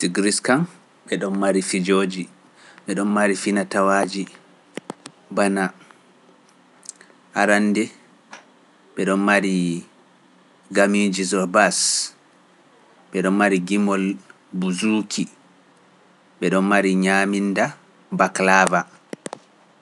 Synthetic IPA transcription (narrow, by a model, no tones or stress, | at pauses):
siɡɾiskan | ɓɛɗɔnmaɾifid͡ʒoːd͡ʒi | ɓɛɗɔnmaɾifinatawaːd͡ʒi | bana | haɾandɛ | ɓɛɗɔnmaɾi | ɡamid͡ʒizɔbas | ɓɛɗɔnmaɾiɡimɔl | buzukʰi | ɓɛɗɔnmaɾiɲaminda | baklava